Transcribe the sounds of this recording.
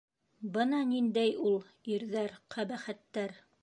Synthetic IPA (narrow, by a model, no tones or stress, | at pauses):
bɤnɑnind̪æjulˠ | iɾðæɾqʰæbæχæt̪ːæɾ